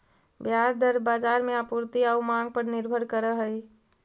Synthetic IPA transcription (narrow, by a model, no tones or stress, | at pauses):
bjaɾd̪əɾbaːd͡ʒaːɾmẽapuɾt̪iaumãŋɡ̚pəɾnɪɾbʱəɾkəɾəɦəi